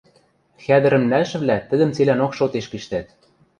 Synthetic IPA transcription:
xæd̪ɘ̆ɾɘ̆mnælʃɘ̆vlæt̪ɘ̆d̪ə̆mt͡selænokʃot̪eʃkiʃt̪æt̪̚

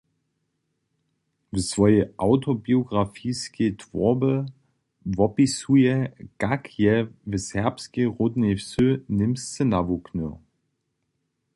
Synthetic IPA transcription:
vəsv̥ɔʏəʔaʊtʰobioɡʁafiːsketv̥ɔɐbə | vɔpisueɡ̥akʰjɛvəshɛɐpskəʁodn̩efsønɪmst͡sənavokʰnøɐ

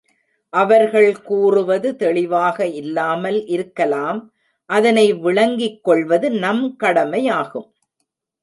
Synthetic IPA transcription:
ʔɐʋɐɾɣɐɭkuːrɯʋɐðɯt̪ɛɭɪʋaːɣɐɪlːaːmɐlʔɪɾɯkːɐlaːm | ʔɐðɐnɐɪʋɪɭɐŋɡɪkːɔɭʋɐðɯnɐmkɐɽɐmɐjaːɣɯm

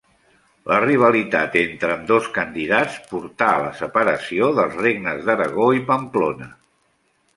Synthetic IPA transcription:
ləriβ̞əlit̪at̪ent̪ɾəːmd̪oskənd̪iðat͡spuɾt̪aələsəpəɾəsioðəlˠzreɡnəzðəɾəɣoipəmplonə

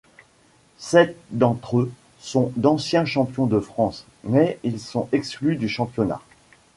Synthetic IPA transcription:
sɛt̪̚d̪ɑ̃t̪χø | sɔ̃d̪ɑ̃sjɛ̃ʃɑ̃pjɔ̃d̪əfχɑ̃s | mɛilsɔ̃ɛksklyd̪yʃɑ̃pjɔna̰

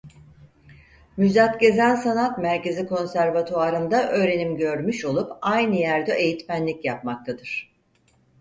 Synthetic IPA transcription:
myzat̪ɟe̞zænsanat̪mæɾce̞ziko̞nsæɾvat̪ʰoaɾɯnd̪aʔø̞ːɾe̞nimɟø̞ɾmyʃo̞lˠupajnɯjæɾd̪ɛʔe̞jit̪mænlʲicjap̚mak̚t̪ʰad̪ɯɾ̥

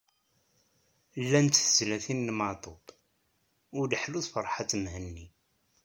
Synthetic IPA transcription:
lːænt̪ːθəzlæθinːmɑt̪ˤob | ʊɾd̪ħluθfəɾˤħat̪ːmhənːi

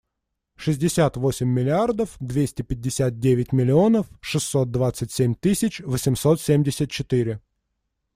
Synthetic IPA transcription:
ʂɨzʲdʲɪsʲat̪vo̞sʲɪmʲːɪlʲɪard̪əfd̪vʲesʲtʲɪpʲɪdʲːɪsʲat̪̚dʲevʲɪtʲmʲɪlʲɪo̞nəfʂɨsːo̞t̪̚d̪vat̪sɨtʲsʲemʲt̪ɨsʲɪt͡ɕvəsʲɪmso̞t̪sʲemʲdʲɪsʲət̪̚t͡ɕɪt̪ɨɾʲɪ

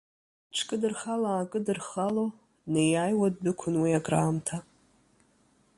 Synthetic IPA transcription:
ʈ͡ʂʰkʼɨdɨrχalaːkʼɨdɨrχalo | nejajwad̚bɨkʷʰʊnwiaɡʼraːmtʰa

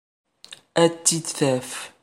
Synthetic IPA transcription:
æt͡s̪ːid̪θæf

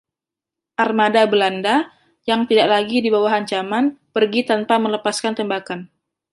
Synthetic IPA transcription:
ʔarmadabəlanda | jaŋt̪idaʔlaɡidibawaɦaɲt͡ʃamanpərɡit̪anpamələpaskant̪ɛmbakan

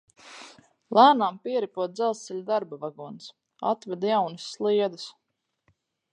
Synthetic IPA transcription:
lˠæːnaːmpiɛɾipuɔt̪̚d̪zɛlˠssɛlʲud̪aɾbavaɡuːns | a̰t̪vɛd̪jawnɨsːlˠiɛd̪ɨs

